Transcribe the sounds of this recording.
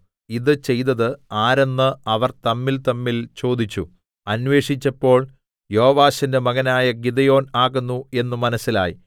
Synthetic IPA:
iðɨt͡ɕe̞jt̪ɐðɨaːɾenːɨɐʋɐrt̪ɐmːilt̪ɐmːilt͡ɕo̞ːd̪it͡ɕːu | ɐnʋe̞ːʂit͡ɕːɐpːo̞ːɭ | jo̞ːʋaːɕɐndemɐɣɐnaːjɐɡid̪ɐjo̞ːnaːɣunːue̞nːumɐnɐsilaːji

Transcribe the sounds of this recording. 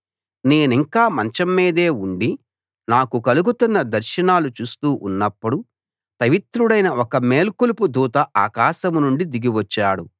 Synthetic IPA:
ne̞ːniŋkaːmɐɲt͡ʃɐmːiːd̪e̞ːuɳɖi | naːkukɐluɡut̪unːɐd̪ɐɾʃɐnaːlut͡ʃuːst̪uːʔunːɐpːuɽu | pɐʋit̪ɾuɽɐjnɐʔɔkɐme̞ːlkulupud̪uːt̪ɐʔaːkaːʃɐmunuɳɖid̪iɡiʋɐt͡ʃːaːɽṵ

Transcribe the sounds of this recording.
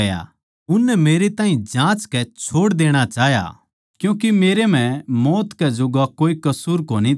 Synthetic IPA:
ja̰ | ʊnːɛmeːɾet̪ãːɦĩd͡ʒãːt͡ʃkɛt͡ʃʰoːɽd̪eːɽ̃at͡ʃaːɦja̰ | kjũːk̬imeːɾem̤ɛ̃mɔːt̪kɛd͡ʒʊɡakoːikɐsuːɾkoːni

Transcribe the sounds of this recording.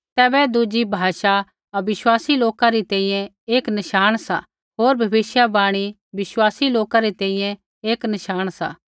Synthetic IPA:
t̪ɛːbɛd̪ud͡ʒibʱaːʃa | ɐʋɪswaːsiloːkaɾit̪ɛ̃ĩːjɛ̃ | eːknɐʃaːɽ̃sa | ɦoːɾbʱɐbɪʃjabaːɽ̃i | bɪswaːsiloːkaɾet̪ɛ̃ĩjɛ̃ | eːknɐʃaːɽ̃sa̰ː

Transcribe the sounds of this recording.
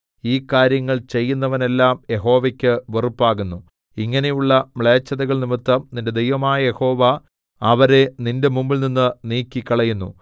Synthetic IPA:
iːkaːɾjɐŋːɐɭt͡ɕe̞jːunːɐʋɐne̞lːaːmje̞ɦo̞ːʋekʲːɨʋerupːaːɣunːu | iŋːɐne̞juɭːɐmɭeːt͡ɕːɐðɐɣɐɭnimit̪ːɐmninde̞d̪ejʋɐmaːjɐje̞ho̞ːʋa | ɐʋɐɾe̞ninde̞mumbilninːɨniːkːikːɐɭɐjunːṵ

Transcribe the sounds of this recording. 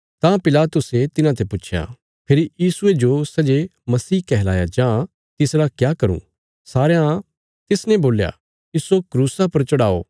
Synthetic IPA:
t̪ãpɪlaːt̪ʊset̪ɪnãt̪ʰɛpʊːt͡ʃʰja̰ː | pʰɪɾijiːsʊed͡ʒosɛd͡ʒemɐsiːkɛɦlaːjad͡ʒãː | t̪ɪsɾakjaːkɐɾṵ̃ | saːɾejã | t̪ɪsnɛ̃boːlja̰ | ɪsokɾuːsapɐɾt͡ʃɐɽaːo̰ː

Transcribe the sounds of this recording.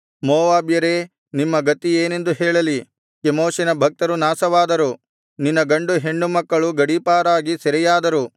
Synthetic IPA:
mɔːʋaːbjɐɾeː | nimːɐɡɐt̪ːieːne̞nd̪uɦɛːɭɐli | kemoːʃinɐbʱɐk̚t̪ɐɾunaːsɐʋaːd̪ɐɾu | ninːɐɡɐɳɖuɦe̞ɳːumɐkːɐɭuɡɐɽipaːɾaːɡisɛɾɛjaːd̪ɐɾu

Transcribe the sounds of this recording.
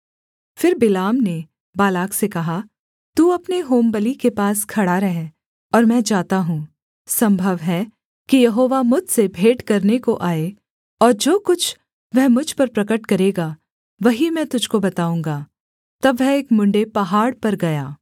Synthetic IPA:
fɪɾbɪlaːmne | baːlaːksekɐɦa | t̪uːɐpneɦoːmbəlikepaːskʰɐɽaɾɐɦẽ | ɔːɾmɛ̃d͡ʒaːt̪aɦũː | sɐ̃mbʱəʋɦɛ | kijɐɦoːʋamʊd̪ʱsebʱeːʈkɐɾnekoʔaːe | ɔːɾd͡ʒoːkʊt͡ʃʰ | ʋɛɦmʊd͡ʒʱpɐɾpɾɐkəʈkɐɾeːɡaː | ʋɐɦimɛ̃ːt̪ʊd͡ʒʱkobɐt̪aːũːŋɡaː | t̪ɐbʋɛɦeːkmʊ̃ɳɖepɐɦaːɽpɐɾɡɐjaː

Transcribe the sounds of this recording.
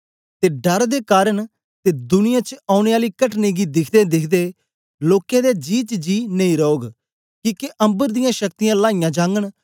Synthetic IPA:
t̪eːɖəɾd̪eːkaːɾəɳ | t̪eːd̪ʊnɪjãt͡ʃaːʊɽeːaːliːkəʈneːɡid̪ɪkʰd̪ed̪ɪkʰd̪eː | loːkjẽːd̪eːd͡ʒiːt͡ʃd͡ʒiːneĩɾɔoːɡ | kiːkeʔɐ̃mbəɾd̪ɪjãːʃək̚t̪ɪjãːlaːɪjãːd͡ʒãːŋɡəɳ̃

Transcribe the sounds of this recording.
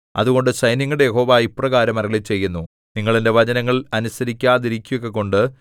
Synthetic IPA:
ɐ̰ðuɣo̞ɳɖɨɕɐjniŋːuɽejeɦo̞ːʋaːiprɐɣaːɾɐmɐrɐɭit͡ɕe̞jːunːu | niŋːɐɭende̞ʋɐd͡ʑɐnɐŋːɐɭɐnusɐɾikʲːaːðiɾikʲːujokːeko̞ɳɖɨ

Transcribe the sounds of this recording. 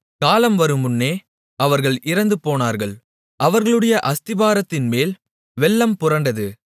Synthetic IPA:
kaːlɐmʋɐɾɯmʊnːeː | ʔɐʋɐɾɣɐɭʔɪɾɐnd̪ɯpoːnaːɾɣɐɭ | ʔɐʋɐɾɣɐɭɯɽɐjɐʔɐst̪ɪbaːɾɐt̪ːɪnmeːl | ʋɛɭːɐmpʊrɐɳɖɐðɯ

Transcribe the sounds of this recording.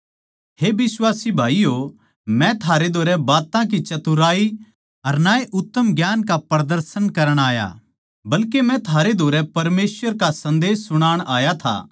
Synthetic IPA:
ɦeːbɪswaːsibʱaːijo | mɛ̃t̪ʰaːɾed̪ʱoːɾɛbaːt̪ãk̬it͡ʃɐt̪uɾaːi | ɐɾnaːeʔʊt̪ːəmɡjaːnkapɾɐd̪əɾsənkɐɾəɽ̃aːja̰ | bɐlkemɛ̃t̪ʰaːɾed̪ʱoːɾɛpɐɾmeːsʋəɾkasɐ̃nd̪eːsːʊɽ̃aːɽ̃aːjat̪ʰa̰ː

